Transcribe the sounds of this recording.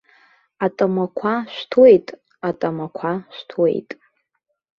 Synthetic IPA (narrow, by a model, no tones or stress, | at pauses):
atʼamakʷʰaʃʷᶣtʰwejtʼ | atʼamakʷʰaʃʷᶣtʰwḛjtʼ